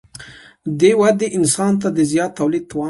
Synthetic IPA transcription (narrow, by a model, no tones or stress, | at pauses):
d̪ewad̪eʔɪnsɑnt̪ad̪əzjɑt̪ːawlid̪̚t̪wɑ